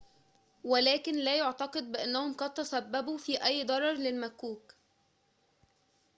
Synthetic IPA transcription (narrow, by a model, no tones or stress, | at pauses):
wælæːkɪnlæːjoʕt̪ɑqɨd̪̚bɪʔænːæhomqɑd̪̚t̪ːæsæbːæbuːfiːʔæjːd̪ˤɑɾˤɑɾˤlɪlmækuːk